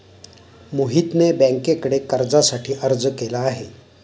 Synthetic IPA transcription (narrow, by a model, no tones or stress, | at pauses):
muɦit̪nebɛ̃ŋkekəɽekəɾd͡zasaʈʰiːʔəɾd͡zkelaːɦe